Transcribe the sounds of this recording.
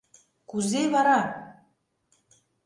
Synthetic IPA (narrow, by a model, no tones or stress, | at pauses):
kuzeβɑɾɑ